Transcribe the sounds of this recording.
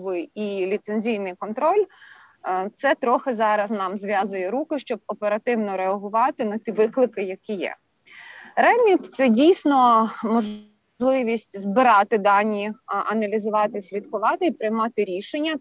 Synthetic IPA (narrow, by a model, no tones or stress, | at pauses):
ʋɪjilʲit̪senʲzʲijnɪjkɔnt̪ɾɔlʲ | t̪sɛt̪ɾɔxɪzɑɾɐznɑmzʲʋʲjɑzʊjɛɾukɪʃt͡ʃɔb̚ɔpeɾɐt̪ɪwnɔɾeɐɦʊʋɑt̪ɪnɐt̪ʲiʋɪklˠɪkɪjɐkijɛ̰ | ɾɛmʲit̪t̪sɛdʲijsʲnɔmɔʒ | lˠɪʋʲisʲtʲzbɪɾɑt̪ɪd̪ɑnʲːiʔɐnɐlʲizʊʋɑt̪ɪsʲlʲid̪kʊʋɑt̪ɪipɾɪjmɑt̪ɪɾʲiʃenʲːɐ